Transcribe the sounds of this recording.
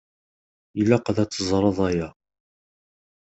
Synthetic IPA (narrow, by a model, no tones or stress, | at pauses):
jəlːæqəðæt͡sːəzˤɾˤəðˤæjæ